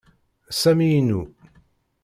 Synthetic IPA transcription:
sæmijnːu

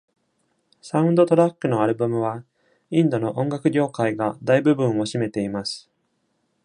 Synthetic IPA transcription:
saɯ̟̃nd̪o̞t̪o̞ɾakːɯ̟no̞aɾɯ̟bɯmɯ̟β̞a | ĩnd̪o̞no̞ʔõ̞ŋɡakɯ̟ɡʲo̞ːkaiɡad̪aibɯ̟bɯ̟̃ɰ̃o̞ɕime̞t̪e̞imasɨ̥

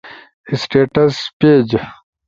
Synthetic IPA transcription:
isʈeːʈɐspeːd͡ʑ

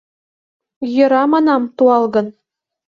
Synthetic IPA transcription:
jɤ̆ɾɑmɑnɑmt̪uɑlˠɡɤ̆n

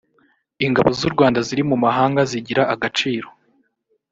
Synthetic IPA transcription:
iŋɡaβozuɾɡwaːndaziɾimumaɦaːŋɡaziɟiɾaʔaɡat͡ʃiːɾo̞

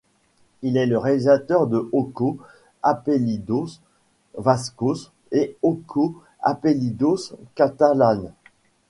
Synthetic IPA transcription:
ilɛləʁelizat̪œʁd̪əoko | apelid̪os | vaskos | eokʰo | a̰pelid̪oskat̪alan

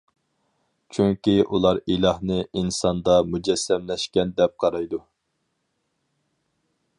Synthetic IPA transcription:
t͡ʃʰyŋkʲiʔulˠɑɾilˠɑhnɨʔinsɑnd̪ɑmud͡ʒɛsːɛmlɛʃkʲɛnd̪ɛp̚qʰɑɾɑjd̪u

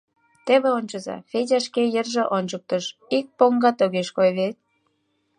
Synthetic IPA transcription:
t̪eβĕonʲt͡ɕəzɑ̰fed͡ʑʲɑʃkejerʒĕʔonʲt͡ɕək̚t̪əʃik̚poŋɡɑt̪oɣeʃkojβet̪̚

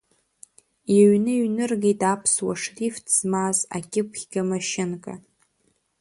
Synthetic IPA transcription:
iɥnɨɥnɨrɡejtʼapʰswa̰ʂriftʰz̥maza̰kʲʼɪkʷʰχʲɡʲamaʃɪnkʼa

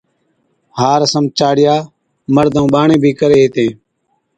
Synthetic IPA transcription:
haːɾəsəmt͡ʃaːɽɪjaː | məɾd̪ʱũːɓaːɳẽːbʱiːkəɾeːɦeːt̪ẽː

